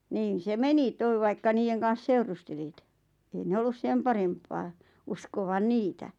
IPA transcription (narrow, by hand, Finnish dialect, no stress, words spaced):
niːn̞ se meni toi̞ ʋɑikːɑ niːjeŋ kɑn̞s seurusteliˑt ei ne olːus sem pɑrempːɑː uskoʋɑn̆ niːtæ